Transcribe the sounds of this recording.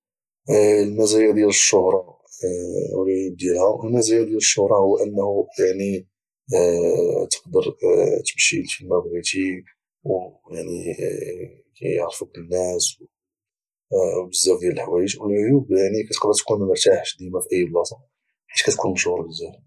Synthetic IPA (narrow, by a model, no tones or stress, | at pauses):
lmæzæjæd̪jæləʃːʊhɾˤɑ | wlijub̚d̪jælhæwʔəlmæzæjæd̪jæləʃːʊhɾˤɑhʊwːʔənːhujaʕni | t̪ə̥qd̪əɾˤt̪ə̥mʃilfilmæbɣit̪i | wjaʕni | kæ̰ə̰ʕɾˤfukənːæsw | wbəzːæfd̪jæləlħawæjəʒwəlʕojubjaʕnikæt̪ə̥qd̪əɾˤt̪kunməɾt̪aħʃd̪imafiʔəjːblɑsˤɑ | ħit̪kæt̪kʰunʃʊhɾˤbəzæf